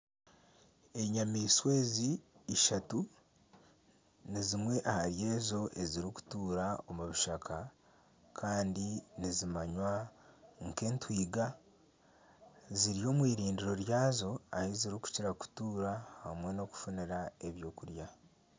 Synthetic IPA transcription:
e̞ɲamiːswe̞ːziːʃatu | nizimwe̞ʔahaɾje̞ːzo̞ʔe̞ziɾiku̥tuːɾao̞muβiʃakʰa | kʰaːndinizimaɲwaŋke̞ːntwiːɡa | ziɾijo̞ːmwiːɾiːndiɾo̞ɾjaːzo̞a̰hiziɾiku̥ciɾaku̥tuːɾahamwe̞no̞ku̥funiɾae̞βjo̞ːkuɾja

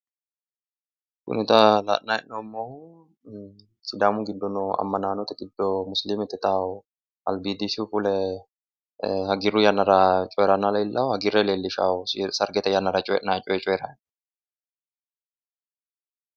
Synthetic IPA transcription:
kʊ̰nɛt̪ɐla̰ʔnajnɔmːɔ | sɪd̪aːmʊɡɪd̪ːɔnɔɐ̰mːɐnaːnɔt̪ɐɡɪd̪ːɔmʊslimɛt̪ːɛt̪aː | ɐ̰lbid̪isufʊlɛ | hɐɡɪɾujanːɐɾat͡ʃʼɔjɾɐnːalɐjɪlːʔɐhɐɡɪɾɛleːlːɪʃaʊsɐɾɡɛt̪ɐjanːɐɾɐt͡ʃʼɔɛʔnaːt͡ʃʼɔjɛt͡ʃʼɔjɾɐn

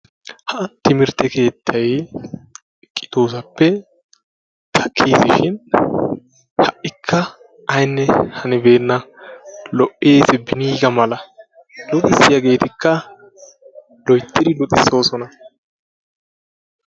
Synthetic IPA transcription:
hɐt̪ːɪmɪɾt̪ːɛke̞ːt̪ʰːɐj | kʼɪ̥t̪oːs̬ɐpːɛ | t̪ʰɐkʰːiːsɪʃɪn | hɐʔːɪkʰːɐ | ɐjnːɛhɐnɪbe̞ːnːɐ | lɔʔʔeːsɪbɪniːɡɐmɐlɐ | lʊt̪ʼɪsːɪjɐɡe̞ːt̪ɪkʰːɐ | lɔjt̪ːɪd̪ɪlʊt̪ʼɪsːoːsɔnɐ

